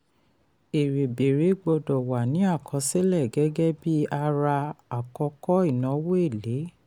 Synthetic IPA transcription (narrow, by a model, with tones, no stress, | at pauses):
e˨ɾe˨be˨ɾe˨˦ɡ͡bo˧dɔ˨wa˨nĩ˨˦a˦˨kʰɔ̃˨˧˦se˦lɛ˦˨ɡɛ˦ɡɛ˦bi˦a˧ɾa˧a˨kɔ˧˦kɔ˦i˦˨nã˨˦wo˦e˦˨le˨˦